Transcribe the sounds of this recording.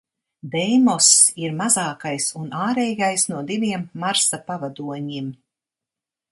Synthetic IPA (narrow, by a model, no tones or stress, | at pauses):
d̪ɛjmɔsiɾmazaːkajsunaːɾɛːɡajsnuɔd̪ivʲiɛmːaɾsapavad̪uɔɲim